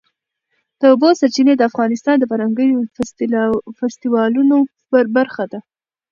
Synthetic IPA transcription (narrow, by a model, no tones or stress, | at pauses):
d̪̥əobosaɾt͡ʃined̪əafɣɑnɪst̪ɑnd̪əpaɾaŋɡəjof | fast̪iwɑluno | baɾxad̪a